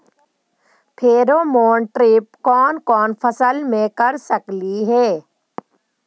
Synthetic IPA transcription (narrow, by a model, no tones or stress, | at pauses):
pʰeːɾomoːɳʈɾɪp̚kɔːnkɔːnpʰɐsəlmẽkɐɾsəkliɦɛː